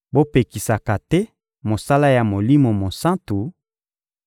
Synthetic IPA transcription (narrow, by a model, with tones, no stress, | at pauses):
bo˦pe˨ki˨sa˨ka˨tɛ˦ | mo˨sa˦la˦ja˨mo˨li˦mo˨mo˨sã˦ntu˨